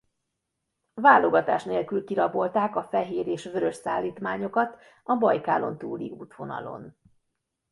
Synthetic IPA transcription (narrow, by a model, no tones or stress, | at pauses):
vaːlo̞ɡɒt̪a̰ːʃneːlkylkiɾɒbo̞lt̪aːkɒfɛɦeːɾeːʃʋøɾø̞ʃsaːlːiːt̪maːɲo̞kɒt̪ | ɒbɒjka̰ːlo̞̰nt̪uːlḭuːt̪ʋo̞nɒ̰lo̞̰n